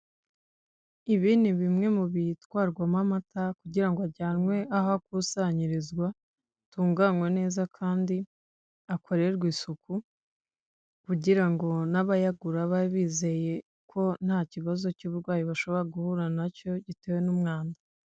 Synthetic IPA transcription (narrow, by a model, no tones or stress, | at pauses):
iβiːniβimŋe̞muβitwaːɾɡwamamatakuɟiɾaŋɡoaɾɟaːnwe̞ahakusaɲiɾizɡwa | tuːŋɡaŋwe̞ne̞ːzakʰaːndi | akʰo̞ɾeɾɡwiːsuku | kuɟiɾaŋɡo̞naβajaɡuɾaβaβiːze̞je̞ | kʰo̞n̥haːciβazo̞cuːβuɾɡwaːjiβaʃo̞βo̞ɾaɡuhuɾanaco̞ɟitewe̞numŋaːnda